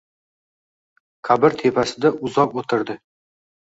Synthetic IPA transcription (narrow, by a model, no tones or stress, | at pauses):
kʲʰabɪɾt̪ʰe̞pʰasɪd̪aʔʊzɒpot̪ʰɪɾd̪ɪ